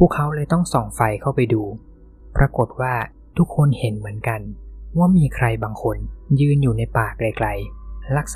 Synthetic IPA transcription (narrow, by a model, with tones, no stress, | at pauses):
pʰuː˥˩kʰːa˦˥wlɤː˧jt̪ɔ˥˩ŋsɔ˨˩ŋfa˧jkʰa˥˩wpa˧jduː˧ | pɾʔa˧ko˨˩t̪̚waː˥˩ | t̪ʰu˦˥kʰːo˧nhe˨˩˦nmɯ˩˦ənka˧nwaː˥˩miː˧kʰɾa˧jbaː˧ŋkʰo˧njɯː˧njuː˨˩na˧jpaː˨˩k̚la˧jkla˧jla˦˥˩k̚s